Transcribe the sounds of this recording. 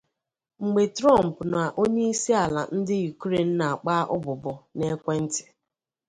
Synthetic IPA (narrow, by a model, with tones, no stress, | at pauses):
ŋ͡m̩˨ɡ͡be˨tɾɔ˦˨m̩˨pna˨ʔo˦ɲe˦i˦si˦a˨la̰˨n̩˦dɪ˦u˨kɾe˨n̩˦na˨a˨k͡pa˦ʔʊ˦bʊ˨bɔ˨ne˦kʷe˦n̩˦tɪ̥˨